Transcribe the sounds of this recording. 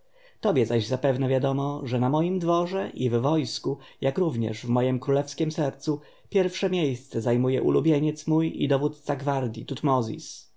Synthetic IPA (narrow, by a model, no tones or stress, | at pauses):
t̪ɔbʲjɛzaʑzapɛvnɛvʲjad̪ɔmɔʐɛnamɔjimd̪vɔʐɛʔivːɔjskujakɾuvɲɛ̰ʐvmɔjɛmkɾulɛfskʲɛmsɛɾt̪su | pʲjɛɾfʂɛmʲjejst̪sɛzajmujɛ̰ʔṵlubʲjeɲɛt̪smujḭd̪ɔvut̪t̪saɡvaɾd̪ʲjḭt̪ut̪mɔzʲḭs